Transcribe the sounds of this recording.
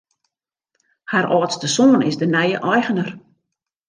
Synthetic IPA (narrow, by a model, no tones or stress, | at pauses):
haɾɔːtstəsoːnɪ̰sdənɛjəʔɔjɣənər